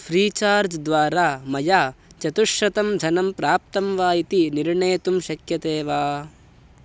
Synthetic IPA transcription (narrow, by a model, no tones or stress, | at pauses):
pʰɾiːt͡ʃaːɾd͡ʒd̪ʋaːɾaːmɐjaːt͡ʃɐt̪uʃɾɐt̪ɐmd͡ʒ̪ʱɐnɐmpɾaːp̚t̪ɐmʋaːjit̪iniɾɳejt̪umʃɐkjɐt̪eːʋaː